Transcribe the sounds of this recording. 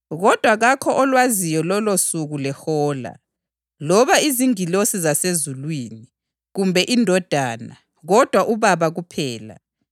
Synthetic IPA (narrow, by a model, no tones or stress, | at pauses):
ɣɔd̥ʱwaɣakʰɔʔɔlwazijɔlɔlosuɣulɛxɔːla̰ | lɔβaiziŋilosizasezulwiːni | ɣumbʱɛʔindʱɔd̥ʱaːna̰ | ɣɔd̥ʱwaʔuβaβaɣupʰɛːla̰